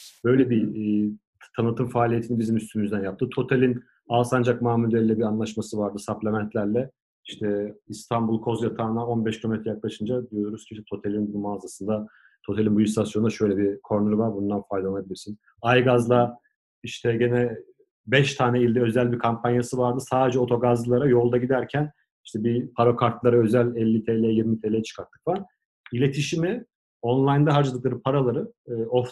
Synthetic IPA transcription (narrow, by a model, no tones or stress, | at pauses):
b̥ø̞jlʲɛbi | t̪ʰanɯt̪ʰɯmfaːlʲijet̪ʰinibizimyst̪ʰymyzd̪ænjap̚t̪ʰɯt̪ʰo̞t̪ʰelʲin | alsand͡ʒakmaːmud̪eɾlʲːɛbianlˠaʃmasɯvaɾd̪ɯsaplʲamænt̪ʰlʲæɾlʲɛ | iʃt̪ʰɛist̪ʰambulˠkʰo̞zjat̪ʰaːnao̞nbɛʃcʰomet̪ɾɛjaklˠaʃɯnd͡ʒad̪ijooɾuz̥cʰiʃt̪ɛt̪ʰo̞t̪ʰelʲinbunumaːzasɯnd̪a | t̪ʰo̞t̪ʰelʲinbujist̪ʰasjonud̪aʃø̞jlʲɛbikʰoɾnuɾuvaɾbund̪anfajd̪aolˠabilʲiɾsin | ajɡazlˠa | iʃt̪ʰɛɟenɛ | bɛʃt̪ʰaːnɛilʲd̪ɛø̞zælʲbiɾkʰampʰanjasɯvaɾd̪ɯsaːd̪e̞d͡ʒɛo̞t̪ʰo̞ɡazɯlˠaɾajo̞lˠd̪aɟid̪æɾcʰæn | iʃt̪ʰɛbipʰaɾokʰaɾt̪lˠaɾaø̞zælʲɛlʲːit̪ʰelʲɛjɛjiɾmit̪ʰelʲeɛt͡ʃʰɯ̥kʰaɾt̪ʰːɯ̥kfan | ilʲe̞t̪ʰiʃimi | o̞nlˠajnd̪aɦaɾd͡ʒalˠɯklˠaɾɯpʰaɾalˠaɾɯof